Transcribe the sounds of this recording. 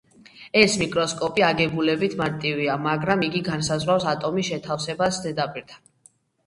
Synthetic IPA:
ɛsmikʼɾɔskʼɔpʼiaɡɛbulɛbit̪ʰmaɾt̪ʼiviamaɡɾamiɡiɡansazʁwafsat̪ʼɔmisʃɛt̪ʰafsɛbasd̪ɛd̪apʼiɾt̪ʰḁ

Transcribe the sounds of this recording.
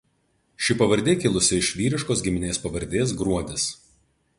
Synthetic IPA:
ʃʲɪpɐʋɐɾʲd̪ʲeːkʲɪlˠʊsʲɪɪʃʲʋʲiːɾʲɪʃkoːsɡʲɪmʲɪnʲeːspɐʋɐɾʲd̪ʲeːs̬ɡɾuɔd̪ʲɪs

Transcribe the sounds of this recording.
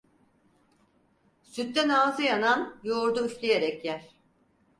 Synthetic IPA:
syt̪̚ːænaːzɯjananjoːɾd̪uyflʲejeɾɛcjæl̥ʲ

